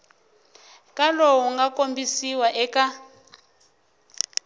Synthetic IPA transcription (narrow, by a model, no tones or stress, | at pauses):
kʼaloɦuŋɡakʼombisiwaʔɛka